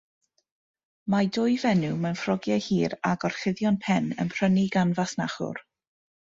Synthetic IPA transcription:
madʊjvɛnumanfrɔɡjahiːɾaɡɔrχɪðjɔnpʰɛnə̰mpʰr̥əniɡanvasnaχʊ̰r

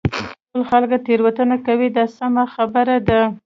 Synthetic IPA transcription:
əlxalɡat̪eɾwat̪ənakawid̪ɑsamaxabəɾad̪a

